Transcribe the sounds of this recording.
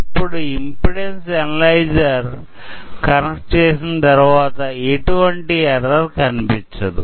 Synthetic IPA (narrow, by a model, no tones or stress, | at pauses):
ipːuɽuimpiɽensɛnɐlɐjd͡ʒɐɾ | kɐnɐkʈ̚t͡ʃeːsinɐt̪ɐɾuʋaːt̪ɐeʈuʋɐɳʈiɛɾɐɾkɐnipiɲt͡ʃɐd̪ṵ